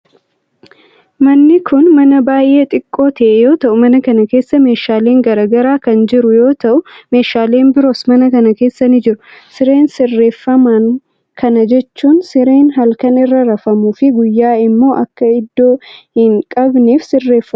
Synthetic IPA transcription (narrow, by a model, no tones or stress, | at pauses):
mɐnːɪkʰʊnmɐnɐbaːjʔe̞ːt̪ʼɪkʼːo̞ːt̪ɐʔɛjo̞ːt̪ɐʔʊmɐnɐkɐnɐke̞ːsːɐme̞ːʃaːle̞ːŋɡɐɾaːɡɐɾaːkɐnd͡ʒɪɾʊjo̞ːt̪ɐʔʊme̞ːʃaːle̞ːnbɪɾo̞ːsmɐnɐkɐnɐke̞ːsːɐnɪd͡ʒɪɾʊsɪɾe̞ːnsɪrːe̞ːfːɐmɐn | kʰɐnɐd͡ʒɛt͡ʃːuːnsɪɾe̞ːnɦɐlkɐnɪrːɐɾɐfɐmuːfɪɡʊjːaːɪmːo̞ːʔɐkːɐɪd̪ːo̞ːhɪŋkʼɐbneːfsɪrːe̞ːfːɐ